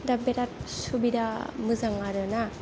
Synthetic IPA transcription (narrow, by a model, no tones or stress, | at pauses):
dabeɾat̚subid̪ʱamɯzaŋaɾɯna